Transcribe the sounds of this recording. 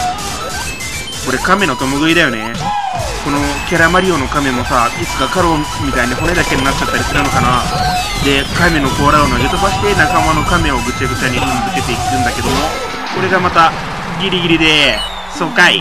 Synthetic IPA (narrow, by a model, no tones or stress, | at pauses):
ko̞ɾe̞kame̞not̪o̞moɡɯid̪ajo̞ne̞ | ko̞no̞kʲaɾamaɾʲio̞no̞kame̞mo̞sait͡sɨ̥ɡakaɾo̞mʲit̪aiɲiɦo̞ne̞d̪ake̞ɲʲinat͡ɕːt͡ɕːat̪ːaɾʲisɨɾɯnokana | d̪e̞kame̞no̞ko̞ːɾaonoɡet̪obaɕi̥t̪e̞nakamano̞kame̞oɡɯ̟t͡ɕːaɡɯ̟t͡ɕːaɲ̟iɯmzɨke̞t̪e̞ikɯ̟̃nd̪ake̞d̪o̞mo̞ | ko̞ɾe̞ɡamat̪a | ɡʲiɾʲiɡʲiɾʲid̪e̞ | so̞ːkai